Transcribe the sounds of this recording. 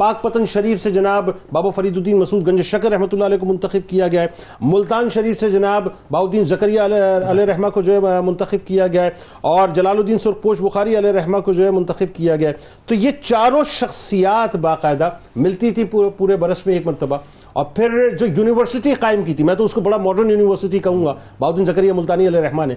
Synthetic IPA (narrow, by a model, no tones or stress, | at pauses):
paːk̚pɐt̪ənʃɐɾiːfsed͡ʒɐnaːbːaːbafɐɾiːd̪od̪iːnmɐsuːd̪̚ɡɐ̃ɲd͡ʒəʃɐkəɾːɛɦmət̪ʊlːaalɛːk̬omʊ̃nt̪əxɪb̚kijaɡɐjaɦɛː | mʊlt̪aːnʃɐɾiːfsed͡ʒɐnaːbbaːod̪iːnzɐkəɾijaɐleɾɛɦmakod͡ʒoːɦɛmʊ̃nt̪əxɪb̚kijaɡɐjaɦɛː | ɔːɾd͡ʒɐlaːlod̪iːnsʊɾq̚poːʃbʊxaːɾiɐleɾɛɦmakod͡ʒoːɦɛmʊ̃nt̪ɐxɪb̚kijaɡɐjaɛ | t̪ojet͡ʃaːɾõʃɐxsijaːt̪baːqaːɪd̪amɪlt̪it̪ʰipuːɾebɐɾəsmẽeːkmɐɾt̪ɐba | ɔ̰ːɾpʰɪɾd͡ʒoːjuːnɪʋəɾsɪʈiqaːɪmkiːt̪ʰimɛ̃t̪oʊskobɐɽamɔːɖəɾnjuːnɪʋəɾsɪʈ̬ikɐɦũːɡa | baːud̪iːnzɐkəɾijamʊlt̪aːniɐleɾɐɦmaːnɦɛ